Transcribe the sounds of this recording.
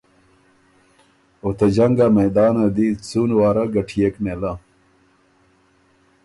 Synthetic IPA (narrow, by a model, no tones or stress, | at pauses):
ot̪ed͡ʑɐŋɡamɐjd̪aːnɐd̪it͡suːnwaːɾɐɡɐʈʰijekmelɐ